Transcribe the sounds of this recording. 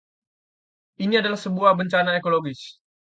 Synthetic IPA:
ʔiniadalahsəbuahbəɲt͡ʃanaekoloɡɪs

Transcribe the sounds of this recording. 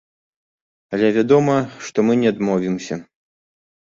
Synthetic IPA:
ɐlʲɛvʲad̪ɔmɐʂt̪ɔmɨnʲɛd̪mɔvʲimsʲɐ

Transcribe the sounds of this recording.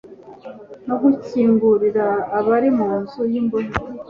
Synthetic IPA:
no̞ɡuciːŋɡuɾiɾaːβaɾimuːnzujimboni

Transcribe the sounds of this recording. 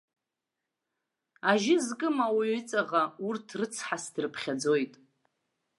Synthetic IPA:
aʒɪzkʼɨmawiɥʏt͡sʼaʁaurtʰrɨt͡sʰħasdrɨpʰχʲad͡zo̞jtʼ

